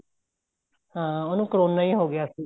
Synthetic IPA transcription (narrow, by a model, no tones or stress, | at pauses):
ɦãːoːnũːkɾoːnːaĩːɦoːɡɪjaːsiː